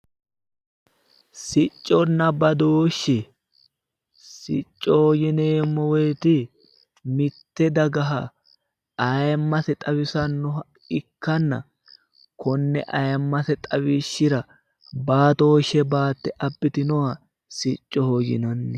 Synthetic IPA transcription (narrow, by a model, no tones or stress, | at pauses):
sɪt͡ʃʼːɔnːɐbɐd̪oːʃːɪ | sɪ̰t͡ʃʼːɔhoːjɪneːmːɔwɔjt̪ɪ | mɪt̪ːɛd̪ɐɡɐɦɐ | ɐjmːɐsɛt̪ʼɐwɪsɐnːɔ | ɪkːɐnːɐ̰ | kʰɔnːɛ̰ʔɐjmːɐsɛt̪ʼɐwɪʃːɪɾɐ | baːt̪oːʃɛbaːt̪ːɛʔɐbːɪt̪ɪnɔwɐ | sɪt͡ʃʼːɔhojɪ̰nɐnːɛ